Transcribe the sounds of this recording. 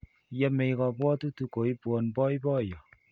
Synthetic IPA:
jɛ˦me˨i˨˦kɔ˨bwɔ˦tu˦tu˨˦ko˨i˦bwɔ˨nbɔ˦i˦bɔ˦˨jɔ˨

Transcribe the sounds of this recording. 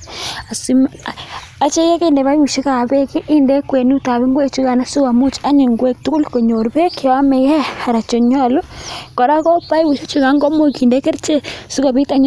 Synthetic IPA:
a˨si˦m | a˨t͡ʃe˦je˦ke˦˨nde˨βa˦i˦wu˨ʃi˦ka˨be˦ki˦ʔːnde˦kwe˨nu˦ta˨βe˦ŋɡwe˦t͡ʃu˦ka˨na˦su˦a˨mu˦t͡ʃa˦ɲi˨ŋɡwe˦˨k̚tu˦ku˦lko˨ɲo˨ɾbe˦ke˨wa˦mɛ˨jɛ˦ha˨ɾa˨t͡ʃo˨ɲa˦˨lo˦kɔ˨ɾa˦kɔ˦pa˦i˦wu˨ʃo˦t͡ʃu˦ka˦ŋɡɔ˦mo˦ki˨nde˦ke˦ɾt͡ʃe˦su˦ko˨bi˦ta˦ɲ

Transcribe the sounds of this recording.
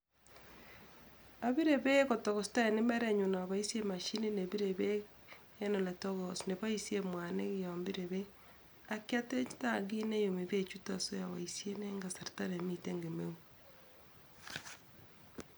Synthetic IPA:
a˨βi˦ɾeβeɣotoɣo˨sta˦ene˦meɾe˦ɲo˨na˨aβai˦se˦ma˨ʃi˦ni˦neβi˦ɾeβeː˦ | no˨le˨toɣosne˨βa˦isjemwa˨nḛ˦ɣia˨mbi˦ɾeβe | akja˦te˦itaɣi˦ne˦jo˨me˨βe˦t͡ʃu˦ta˨so˦ja˨βa̰isje˦neŋɡa˨sa˨ɾita˦ɾe˨miteŋɡemeu

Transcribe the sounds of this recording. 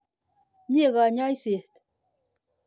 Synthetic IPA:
ɲe˦˨ɣa˨ɲa˦jse˨t̪

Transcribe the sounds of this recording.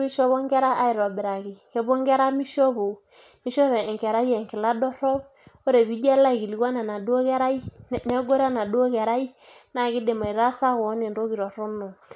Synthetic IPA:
ɾi˦ʃɔ˦βɔ˦ŋɡɛ˦ɾa˦ʔa˦i˨ɾɔ˨bɪ˨ɾa˨ki˨kɛ˨bo˦ŋɡɛ˦ɾa˦mi˦ʃɔ˦βo˨ | mi˦ʃɔ˦βɛ˨ŋkɛ˨ɾa˦jɛ˨ŋkɪ˨la˦dɔ˦ɾɔ˦b | o˦ɾe˨βi˦d͡ʒɛ˦la˦i˨ki˨li˨ɡwa˦nɛ˨na˨du˦o˦kɛ˦ɾa˦i˦˨nɛ˦ɡo˦ɾa˦na˨do˦kɛ˨ɾa˦i˦na˨ɡɪ˦de˨ma˨i˨ɾa˦sa˦ɣɔ˨˦ne˨nɾo˦ɡi˨ɾɔ˨ɾɔ˦no˨

